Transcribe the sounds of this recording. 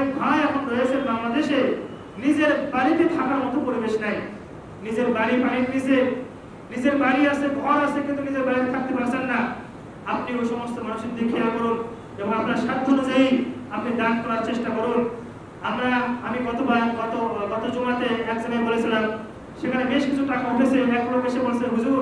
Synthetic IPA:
ebʱajakʰonɾoet͡ɕʰenbaŋlad̪eʃe | nid͡ʑeɾbaɾit̪it̪ʰakaɾmɔt̪opoɾibeʃnaj | nid͡ʑeɾbaɾipaɽinnid͡ʑe | nid͡ʑeɾbaɾiasebʱɔɾasʰekint̪unid͡ʑeɾbaɾit̪it̪ʰak̚t̪epaɾt͡ɕʰenːa | apnioʃɔmost̪omanuʃid̪ʱːekʰijakɔɾun | eboŋapnɾaɾʃad̪̚ʱːoɾod͡ʑejapnid̪ankɔɾaɾt͡ɕeʃʈakɔɾun | amɾaamiɡɔt̪obaɾɡɔt̪oɡɔt̪od͡ʑumat̪eɛkd͡ʑoɡebolet͡ɕʰilam | ʃekʰanebeʃkit͡ɕʰuʈakaoʈʰet͡ɕʰeɛkoɾobeʃeɾboɾseɾbʱud͡ʑuɡ

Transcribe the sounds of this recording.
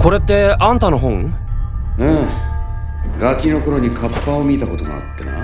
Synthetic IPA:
ko̞ɾe̞t̪ːe̞ãnt̪anoɦõŋ | ɯ̃ | ɡakʲino̞ko̞ɾoɲ̟ikʰapːaomʲit̪ako̞t̪o̞mo̰a̰t̪ːana̰

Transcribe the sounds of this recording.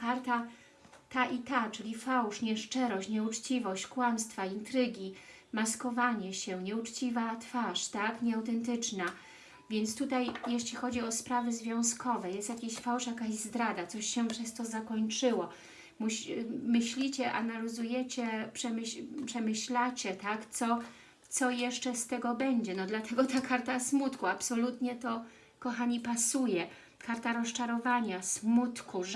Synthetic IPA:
kaɾt̪a | t̪aʔit̪at͡ʂɘlʲifawʂɲɛʂt͡ʂɛɾɔɕt͡ɕɲɛut͡ʂt͡ɕivɔɕt͡ɕkwamst̪faint̪ɾɘɡʲi | maskɔvaɲɛɕɛɲɛut͡ʂt͡ɕivat̪faʂt̪akɲɛawt̪ɛnt̪ɘt͡ʂna | vʲjɛnt̪st̪ut̪ajjeɕlʲixɔd͡ʑiɔspɾavɘzvʲjɔ̃w̃skɔvɛjɛst̪jakʲeɕfawʂajakaʑzd̪ɾad̪at̪sɔɕɕɛpʂɛst̪ɔzakɔɲt͡ʂɘwɔ | muɕmɘɕlʲit͡ɕɛʔa̰nalʲizujɛt͡ɕɛpʂɛmɘɕpʂɛmɘɕlat͡ɕɛt̪akt̪sɔ | t̪sɔjɛʂt͡ʂɛst̪ɛɡɔbɛɲd͡ʑɛnɔd̪lat̪ʰɛɡɔt̪akʰaɾt̪asmut̪kuapsɔlut̪ɲɛt̪ɔ | kɔxaɲipasujɛ | kaɾt̪aɾɔst͡ʂaɾɔvaɲasmut̪kuʐ

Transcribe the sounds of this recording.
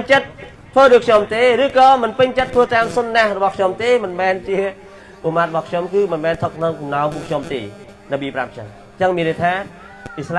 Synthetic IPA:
ɲt͡ɕət̪̚ | t̪ʰʋəːɗoːj̚kʰɲomt̪eːɾɨːkɑːmɨnpɨɲt͡ɕət̪ʰʋəːt̪aːmsonːahrɔɓɑhkʰɲomt̪eːmɨnmɛːnt͡ɕiə | ʔumaːt̪̚rɔɓɑhkʰɲomkɨːmɨnmɛːnt̪ʰək̚ʰnɨŋkumnaɔmpukʰɲomt̪ḛː | nɨɓiːpra̰mt͡ɕə̰ŋ | t͡ɕəŋmiənrəjt̪ʰaː | ʔisla

